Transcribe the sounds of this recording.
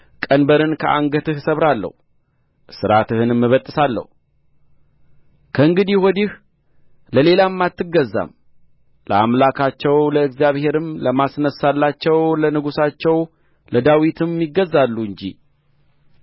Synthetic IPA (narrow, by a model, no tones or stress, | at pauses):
kʼənbəɾɨnkʰəʔa̰ŋɡət̪ɨhsəβɾalːə̰hu | sɨɾat̪ɨhɨnmːɨβət̪ʼːɨsalːə̰hu | kʰəɨŋɡɨd̪ihwɔd̪ih | ləle̞lamːat̪ːɨɡːəzːa̰m | lə̰amlakʰat͡ʃːɛwləɨɡzjaβhe̞ɾɨmləmasnəsːalːat͡ʃːɛwlənɨɡusat͡ʃːɛw | ləd̪awit̪ʰɨmːiɡːəzːalːuɨɲd͡ʒḭ